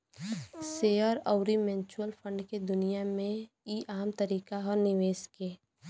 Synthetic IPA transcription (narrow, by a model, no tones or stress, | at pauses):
seːɔːɾɔʊɾimɛ̃ːnt͡ʃuəlpʰə̃ɳɖked̪ʊnijamẽ | iʔaːmt̪əɾiːkaɦɔːɾnɪʋeːskeː